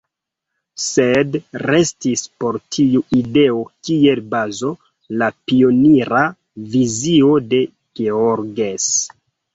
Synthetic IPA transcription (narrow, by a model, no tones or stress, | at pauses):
se̞dre̞stispo̞ɾtʰiuide̞o̞kie̞lbazo̞ | lapio̞niɾa | vizio̞de̞ | ɡ̥eoɾɡes